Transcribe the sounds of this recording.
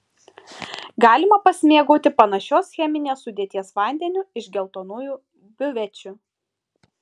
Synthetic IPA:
ɡɑːlʲɪmɐpɐsʲmʲiɛɡoːt̪ʲɪpɐnɐʃʲoːsxʲɛmʲɪnʲeːsːʊd̪ʲeːt̪ʲiɛsʋɑˑnʲd̪ʲɛnʲʊɪʒʲɡʲɛlˠt̪oːnuːjuː | bʲʊʋʲɛt͡ʃʲʊ

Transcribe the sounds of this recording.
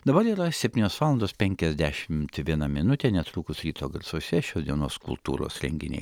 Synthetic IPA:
d̪ɐbɐɾiːɾɐsʲɛpʲtʲinʲoːsʋɑːlˠɐnd̪oːspʲɛŋʲkʲɛzʲd̪ʲæʃʲɪmt̪ʋʲiɛnɐmʲɪnʊt̪ʲeːnʲɛt̪ɾuːkʊsɾʲiːt̪oːɡɐɾsoːsʲɛʃʲoːsd̪ʲiɛno̰ːskʊ̰lˠt̪ṵːɾo̰ːsɾʲɛŋʲɡʲɪnʲɛ̰ɪ

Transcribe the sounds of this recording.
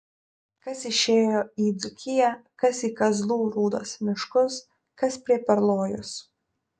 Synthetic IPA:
kɐsɪʃʲeːjoːiːd̪zʊkʲɪjɛkɐsiːkɐzlˠuːɾuːd̪ɐsmʲɪʃkʊs | kɐspʲɾʲiɛpʲɛɾlˠoːjʊs

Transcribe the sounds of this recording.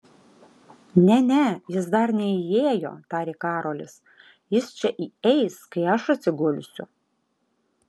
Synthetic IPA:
nʲɛnʲɛjɪs̬d̪ɐɾnʲɛɪjeːjo̰ːt̪ɑːɾʲikɑːɾoːlʲɪs | jɪst͡ʃʲɛʔiːɛɪskɐɪɐʃɐt̪ʲsʲɪɡʊlʲʊsʲʊ̰

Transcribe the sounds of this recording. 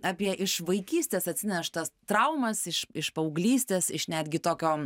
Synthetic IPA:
ɑːpʲiɛʔɪʃʋɐɪkʲiːsʲt̪ʲeːsɐt̪ʲsʲɪnʲɛʃt̪ɐst̪ɾɐʊmɐsɪʃɪʃpɐʊɡlʲiːsʲt̪ʲeːsɪʃnʲæd̪ʲɡʲɪt̪oːkʲoː

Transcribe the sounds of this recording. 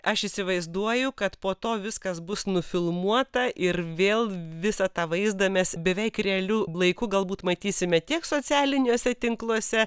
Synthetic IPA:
ɐʃiːsʲɪʋɐɪzd̪uɔjʊkɐt̪poːt̪oːʋʲɪskɐsbʊsnʊfʲɪlˠmuɔt̪ɐʔɪrʋʲeːlˠʋʲɪsɐt̪ɑːʋɐɪzd̪ɐmʲɛsbʲɛʋʲɛɪkrʲɛɐlʲulˠɐɪkʊɡɐlˠbuːt̪mɐt̪ʲiːsʲɪmʲɛt̪ʲiɛksoːt͡sʲæːlʲɪnʲuːsʲɛt̪ʲɪŋklˠuɔsʲɛ

